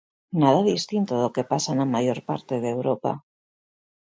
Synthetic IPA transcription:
nað̞aðist̪int̪oðoke̞pasanamaʝo̞ɾpa̰ɾt̪eðewɾopa̰

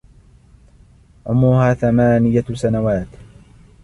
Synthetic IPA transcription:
ʕʊmːuːhaːθamaːnɪjasanawaːt̪

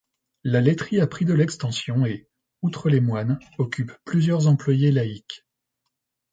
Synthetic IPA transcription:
lalet̪χiapχid̪əlɛkst̪ɑ̃sjɔ̃e | ut̪χəlemwanɔkʲypːlyzjœʁzɑ̃plwajelaik

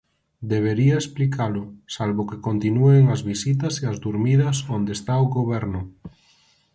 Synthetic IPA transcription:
d̪eβ̞eɾiaesplikʰalʊsalβokekont̪inueŋazβisit̪ɐseazd̪uɾmiðɐsond̪est̪aoɣoβɛɾnʊ

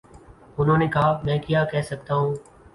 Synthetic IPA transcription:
ʊn̤ɦõːneːkʰaːmɛ̃ːkijakɛɦsək̚t̪aːɦũː

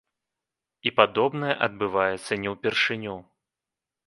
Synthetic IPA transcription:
ipad̪ɔbnɐjɛʔɐd̪̚bɨvajɛt̪sːɐnʲɛwpʲɛrʂɨnʲɔw

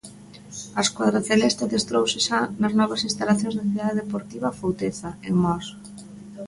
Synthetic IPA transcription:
askwaðɾaθelɛst̪ɪðest̪ɾowsɪʃanɐznɔβɐsĩnst̪alaθjõŋzðaθiðaðeðepoɾt̪iβɐfowt̪eθaeŋmɔs

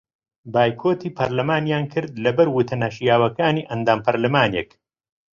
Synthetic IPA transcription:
baːjkʰoːt̪iːpʰɐɾlɐmaːnjaːnkʰɨɾd̪lɐbɐɾwut̪ʰɐnaːʃijaːwɐkaːniːʔɐnd̪aːmpɐɾlɐmaːneːk

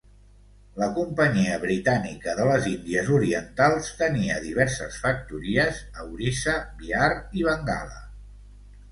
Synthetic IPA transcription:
ləkumpəɲiəβɾit̪anikəðələzind̪iəzuɾiənt̪alˠst̪əniəðiβ̞ɛɾsəsfək̚t̪uɾiəzəwɾisəbiaɾiβəŋɡa̰lə̰

